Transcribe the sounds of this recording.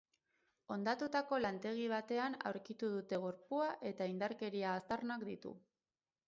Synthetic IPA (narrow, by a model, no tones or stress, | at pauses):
o̞nd̪at̪ut̪ako̞lant̪e̞ɣ̞iβ̞at̪e̞ana̰wɾkit̪uðut̪e̞ɣ̞o̞ɾpuaʔe̞t̪aind̪aɾke̞ɾiaːst̪arnakd̪it̪ṵ